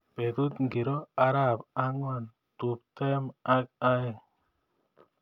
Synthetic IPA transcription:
pe˨t̪u˦t̪ŋɡi˨ɾɔ˦a˦ɾa˦˨pa˦ŋwɔ˦˨n | t̪u˨p̚t̪ɛ˦ma˦k̚a˦

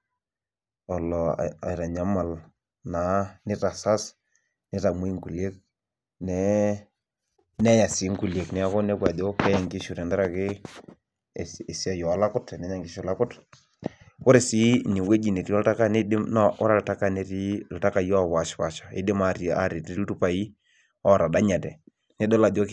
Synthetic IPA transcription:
ɔ˨lɔ̰˨a̰˨ɾa˨ɲa˦ma˨l | na˨˦nɪ˦ta˨sa˦s | nɪ˦ta˨mo˦i˦ŋku˨lje˦k̚ | nɛ˨˦ | nɛ˦ja˨si˨˦ŋku˨le˨knɛ˦a˦kɔ˦ne˦bwa˨do˦kɛ˦jɛ˨ŋɡi˦ʃu˨ɾɛ˨nda˦ɾa˨kɪ˦˨ | e˨si˦a˨jɔ˨a˨la˦kʊ˦tnɛ˨˦ɲa˨ŋɡi˦ʃu˨la˦kʊ˦t | kʊ˦ɾe˨si˦ɲɛ˨we˦d͡ʒi˨ne˨ɾi˨ɔ˦lta˦ka˦ne˦dɪ˦mna˦ʔɔ˦ɾa˨lta˦ka˦ne˨˦ɾi˦˨lta˦ka˨jɔ˦˨pa˨ʃpa˨ʃḁ˨ḛ˦dɪ˦ma˨ɾi˨a̰˦ɾi˨ti˦tu˦pa˨i˦ | ɔ˦ɾa˨da˦ɲa˨tɛ˨ | nɛ˦dɔ˦la˨do˦k

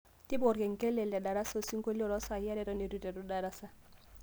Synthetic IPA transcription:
ti˦bɔ˨ɾɡɛ˨ŋ˨kɛ˦lɛ˨lɛ˨da˨ɾa˦so˦˨si˦ŋ˦ko˦li˦ɔ˨ɾɔ˦sa˨ja˦ɾɛ˨ɾɔ˦ne˨ɾu˦tɛ˨du˦da˨ɾa˦sa˦

